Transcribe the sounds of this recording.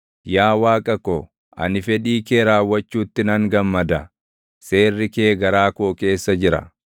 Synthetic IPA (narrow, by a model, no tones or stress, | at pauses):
jaːwaːkʼɐkɔ | ʔɐ̰nɪfɛᶑiːkeːɾaːwːɐt͡ʃːuːt̪ːɪnɐŋɡɐmːɐd̪ɐ | se̞ːrːɪkeːɡɐɾaːkoke̞ːsːɐd͡ʒɪɾɐ̰